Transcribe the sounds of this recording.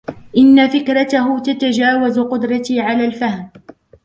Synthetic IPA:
ʔɪnːafɪkɾˤɑt̪aɦʊt̪at̪ad͡ʒaːwazqʊd̪ɾˤɑt̪iːʕalaːlfahm

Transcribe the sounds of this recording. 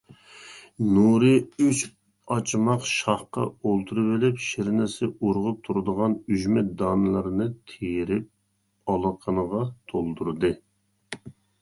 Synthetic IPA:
nuɾɨyt͡ʃ | ɑt͡ʃʰmɑqʃɑχqɑ̰olˠt̪ʰuɾɨvɪlɪpʃɪɾnɪsɪuɾʁʊp̚t̪ʰuɾɨd̪əʁɑnyʒmɛd̪ɑːnɨlˠɨɾnɨt̪ʰejɾɪp̚ | ɑlˠəqʰənəʁɑt̪ʰolˠd̪uɾd̪ɨ

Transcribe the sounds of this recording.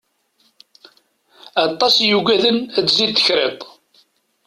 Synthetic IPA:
ɑt̪ˤːɑsjuɡʷæðənæt͡sːzid̪θəçɾet̪ˤ

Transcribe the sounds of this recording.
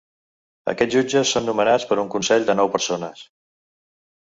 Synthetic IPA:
ə̰kɛd͡zʒud͡ʒəsːonːumənat͡spəɾuŋkunsɛʎd̪ənɔwpəɾsonəs

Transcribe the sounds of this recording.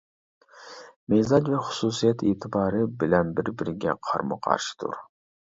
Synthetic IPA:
mezɑd͡ʒvɛχʊ̥suːsijɛt̪ʰeːt̪ʰɨbɑːɾɨbɪlɛnbɪɾbɪɾɡʲɛ̰qʰɑ̰ɾmɨ̰qʰɑ̰ɾʃɨ̥t̪ʰṵɾ

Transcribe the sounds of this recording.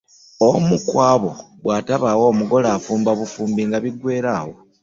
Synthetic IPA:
omukwaːβo̞ɡwaːtaβaːwo̞ːmuɡo̞laːfuːmbaβufuːmbiŋɡaβiɡwe̞ːɾaːwo̞

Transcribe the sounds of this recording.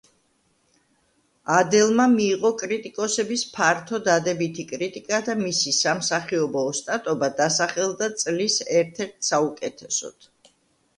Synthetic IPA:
ad̪ɛlˠmamiːʁɔkʼɾit̪ʼikʼɔsɛbispʰaɾt̪ʰɔd̪ad̪ɛbit̪ʰikʼɾit̪ʼikʼad̪amisisamsaχiɔbɔːst̪ʼat̪ʼɔbad̪asaχɛlˠd̪at̪sʼlisɛɾt̪ʰɛɾt̪ʰsaukʼɛt̪ʰɛsɔ̰t̪ʰ

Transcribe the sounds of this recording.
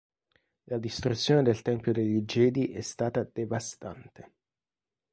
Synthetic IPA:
lad̪ist̪ɾut̪sːjoːned̪elt̪ɛmpjod̪eʎːid͡ʒɛːd̪iʔɛst̪aːt̪ad̪̥evast̪ant̪e

